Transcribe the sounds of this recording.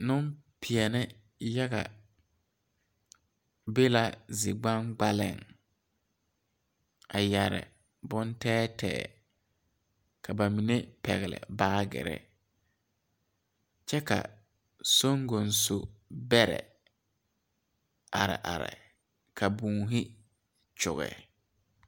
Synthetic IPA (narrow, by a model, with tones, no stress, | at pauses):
nʊ˦mpʰɪ˨ɛ˨nɪ˦ | ja˦ɣa̰˨ | be˦la˦zɪ˨ɡ͡bã˦ŋɡ͡ba˦lɪ̰˦˨ŋ | a˨ja˨ɾɪ̰˨ | bʊ˦ntɛː˦tʰɛ̰ː˨ | kʰa˨ba˨mi˨ne˦pɛ˨ɣɪ˨lɪ̰˨baː˦ɡɪ̰˨ɾɛ̰˦ | t͡ʃɛ˦ka̰˨ | so˦ŋɡo˨nso˨bɛ˦ɾɛ̰˨ | a˨ɾɪ̰˨ʔa˨ɾɪ̰˨ | kʰa˨bũː˨ɦɪ˦ | t͡ʃʊ̰˨ɣɛ̰˨